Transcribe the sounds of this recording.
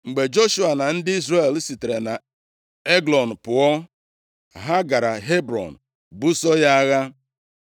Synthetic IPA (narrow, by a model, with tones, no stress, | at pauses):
ŋ͡m̩˨ɡ͡be˨d͡ʒo˦ʃu˦a˨na˨n̩˦dɪ˦i˦zɾe˦˨lsi˨te˨ɾe˨na˨ | e˦ɡlɔ˨n̩˨pʊ˨ɔ˦ | ɦa˦ɡa˨ɾa˨ɦe˦bɾɔ̰˨n̩˨ | bu˦sɔ˦ja˦a˦ɣa˦